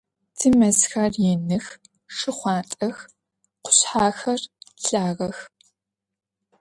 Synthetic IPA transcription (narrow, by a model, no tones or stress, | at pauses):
tʰɨmɐzxɐrjɛnɨx | ʂɨχʷɑːtʼɐx | qʷʊ̥ɕħaːxɐrɬaːʁɐx